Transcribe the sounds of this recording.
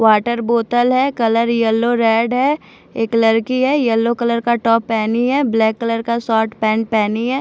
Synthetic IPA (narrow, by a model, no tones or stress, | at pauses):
ʋaːʈəɾboːt̪əlɦɛkɐləɾjɛlːoɾɛːɖɦɛ | eːklɐɾkiɦɛjɛlːokɐləɾkaʈɔːpːɛːniɦɛːblɛːkːɐləɾkasɔːʈpɛ̃ːɳʈ̚pɛːniɦɛː